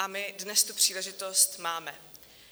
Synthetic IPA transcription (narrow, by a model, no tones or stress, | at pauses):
amɪdnɛst̪upr̥iːlɛʒɪt̪o̞st̪maːmɛ